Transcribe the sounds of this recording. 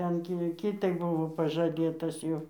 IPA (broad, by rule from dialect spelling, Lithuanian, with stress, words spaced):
ˈtʲɛn kʲɪ ˈkʲɪtɐɪ ˈbʊʋoː pɐʒɐˈdʲeːtɐs jɛʊ